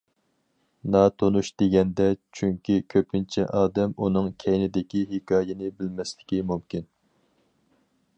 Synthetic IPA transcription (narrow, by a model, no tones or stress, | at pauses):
nɑt̪ʰonuʃd̪̥eɡʲɛnd̪ɛt͡ʃʰyŋkʲikʲʰøpɪnt͡ʃʰɛ̰ʔɑːd̪ɛmunɨŋkʲʰɛjnɪd̪ɪkʲiɦɪkɑːjɪnɪbɪlmɛslɪ̥kʲimumkʲin